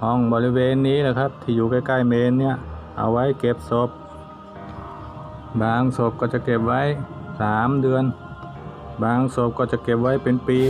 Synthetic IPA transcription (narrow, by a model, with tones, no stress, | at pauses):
hɔ˧˩ŋbɔː˧˩li˦˧weː˧nːiː˦˥laː˧˩kʰa˦˥˩p̚t̪ʰiː˧˩juː˨˩ka˧˩jka˧˩jmeː˧nːi˧˥˩ɐʔa̰˧˩wa˦˥˨jke˧˩p̚so˧˦p̚ | baː˧ŋso˧˩˦p̚kɔː˧˩t͡ɕa˧˩ke˧˩p̚wa˦˥˨jsaː˨˦mdɯ˧ən | baː˨˧ŋso˧˦p̚kɔː˧˩t͡ɕa˧˩ke˧˩p̚wa˦˥˩jpe˧npiː˧